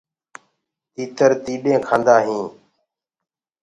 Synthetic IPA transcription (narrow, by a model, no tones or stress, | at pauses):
t̪iːt̪əɾt̪iːɗẽːkʰãːnd̪aːɦĩː